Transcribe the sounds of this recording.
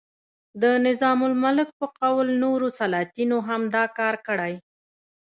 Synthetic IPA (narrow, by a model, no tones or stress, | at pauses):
d̪ənɪzɑmʊlmalɪk̚pəqawlnoɾosalɑt̪inoɦamd̪ɑkɑɾkəɽaj